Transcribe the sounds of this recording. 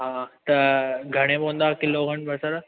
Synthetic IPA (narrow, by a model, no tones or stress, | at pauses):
ɦãːt̪ɐɡʱɐɽ̃ebõũn̆d̪aːkɪloɡʱɐɽ̃bɐɾsɐɾ